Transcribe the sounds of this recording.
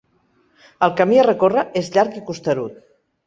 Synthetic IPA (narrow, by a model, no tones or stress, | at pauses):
əlˠkəmiərəkorəʔezʎaɾkikust̪əɾut̪̚